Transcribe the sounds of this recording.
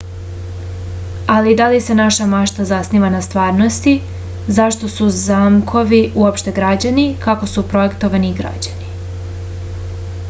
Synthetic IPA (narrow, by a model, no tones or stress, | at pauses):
alid̪alise̞naʃamaʃt̪azasniːʋanast̪ʋaːɾno̞st̪i | zaʃt̪o̞suzamkʰo̞ʋiʔuopʃt̪e̞ɡɾad͡ʑanikako̞supɾo̞je̞kt̪o̞ʋaniɡɾa̰d͡ʑani